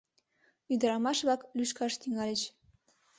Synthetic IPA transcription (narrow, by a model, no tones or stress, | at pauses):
yd̪əɾɑmɑʃβɑklyʃkɑʃt̪yŋɑlʲet͡ɕ